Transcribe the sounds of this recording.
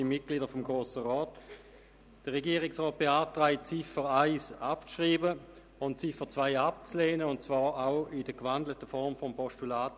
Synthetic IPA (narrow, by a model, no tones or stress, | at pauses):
imɪt̚ɡ̥liːdəfɔmɡʁoːsəʁɔːt | d̥əʁɛɡiːʁɪksʁɔːt̚b̥eaːtʁaɪt͡sifəʁaɪsapt͡sʃʁiːbə | ʊntt͡sɪfət͡svaɪap̚t͡sleːnəʊntt͡svaːʁaʊɪd̥əkvandlətəfɔʁmfɔmpɔʃtulaːt